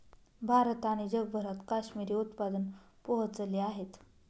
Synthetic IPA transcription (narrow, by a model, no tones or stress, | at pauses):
bʱaɾt̪aɽ̃id͡ʑəɡbʱəɾat̪kaɕmiɾiːut̪pad̪ənpoɦət͡səleaɦet̪